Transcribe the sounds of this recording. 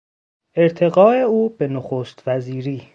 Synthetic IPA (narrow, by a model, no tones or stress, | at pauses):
ʔe̞ɾt̪ʰe̞ɡɒːeuːbenoxoːst̪væziːɾiː